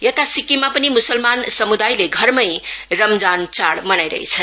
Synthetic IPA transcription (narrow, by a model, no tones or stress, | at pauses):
jet̪asikimapənimusəlmansʌmud̪ajleɡʱʌɾmʌjɾʌmd͡zant͡saɽmʌnajɾʌ̰ɦḛt͡sʰʌn